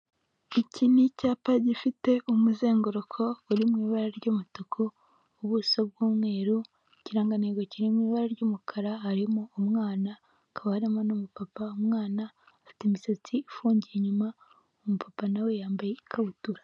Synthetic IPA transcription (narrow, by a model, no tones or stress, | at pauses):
icʰinicaːpaɟifite̞ʔumuze̞ːŋɡoɾokʰo̞uɾimŋiːβaɾaɾɟomutokʰoː | βusobɡuːmŋe̞ːɾu | ciɾaːŋɡaneɡociɾimŋiːβaɾaɾɟomukʰaɾaɦaɾimoːmŋaːna | kʰaβahaɾemanumupapaomŋaːnaː | fi̥temiset͡siːfuːɲɟijeɲuma | omupʰapanawe̞jaːmbaje̞ikʰaβutuɾa